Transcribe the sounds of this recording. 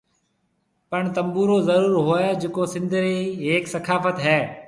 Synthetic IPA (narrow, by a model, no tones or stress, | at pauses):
pəɳt̪əmbuːɾoːzəɾuːɾɦoːed͡ʒɪkoːsɪ̃nd̪ʱɾeːɦeːksəkʰaːfət̪ɦɛː